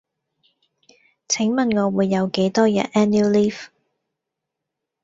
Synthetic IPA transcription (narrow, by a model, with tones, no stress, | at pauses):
t͡sʰɪ˨˥ŋmɐ˨nŋɔː˨˧wuː˨˧jːɐ˨˧wke˨˥jt̪ɔː˥jɐ̰˨tʔɛː˥ni˥liː˥f